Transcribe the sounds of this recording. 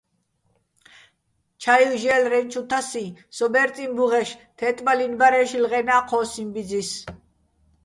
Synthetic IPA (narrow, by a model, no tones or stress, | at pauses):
t͡ʃʰailʒɛːlɾɛnt͡ʃʰut̪ʰasisɔbɛɾt̪ʼimbuʁɛʃt̪ʰɛt̪ʼmalinbaɾɛʃilʁɛnaːqʰɔːsimbid͡zis